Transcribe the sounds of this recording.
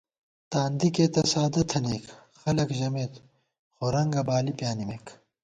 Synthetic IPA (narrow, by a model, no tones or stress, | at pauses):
t̪aːnd̪ikeːt̪ɐsaːd̪ɐt̪ʰɐneːk | xɐlɐkʑɐmeːt̪ | xoɾɐŋɡɐbaːlipjaːnimeːk